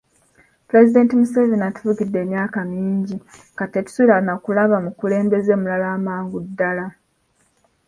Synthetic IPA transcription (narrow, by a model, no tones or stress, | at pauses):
puɾe̞zide̞ːntimusevinatu̥vuɡidːe̞ːmjaːkamiːɲɟi | kate̞tu̥suilanakulaβamukule̞ːmbe̞ze̞ːmulalaːmaːŋɡudːala